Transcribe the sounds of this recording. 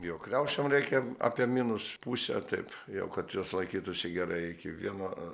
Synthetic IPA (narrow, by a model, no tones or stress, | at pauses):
jɛʊkrʲɛʊʃʲomrʲɛɪkʲɛɑ̰ːpʲiɛmʲinʊspuːsʲɛ̰t̪ɐɪpjɛ̰ʊkɐt̪juɔslˠɐɪkʲiːt̪ʊsʲɪɡʲɛɾɐɪɪkʲɪʋʲiɛnoː